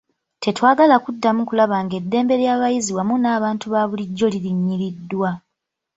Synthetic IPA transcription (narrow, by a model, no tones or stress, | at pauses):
te̞twaːɡalakudːamukulaβaŋɡe̞dːe̞ːmbe̞ɾjaːβajiziwamunaːβaːntuβaːβuliɟːo̞liɾiɲːiɾidːwa